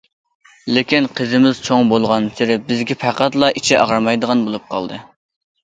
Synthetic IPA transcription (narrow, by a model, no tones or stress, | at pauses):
lɪkʲinqʰəzɪmɪz̥t͡ʃʰoŋbolˠʁɑnsɪɾɪbɪzɡʲɛpʰæqæt̪lˠɑʔit͡ʃʰɪʔɑʁɾmɑjd̪əʁɑnbolˠup̚qʰɑ̰lˠd̪ɨ